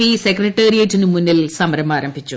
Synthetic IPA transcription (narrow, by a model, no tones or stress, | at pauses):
isekrɐʈːeːɾijɐtːinɨmunːilsɐmɐɾɐmaːɾɐmbʱit͡ɕːu